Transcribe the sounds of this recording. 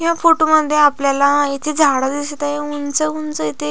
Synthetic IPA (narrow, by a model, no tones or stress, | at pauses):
jafoʈoməd̪ʱːjeapljalait̪ʰed͡zʱaɽad̪ist̪ajeunt͡səunt͡səit̪ʰe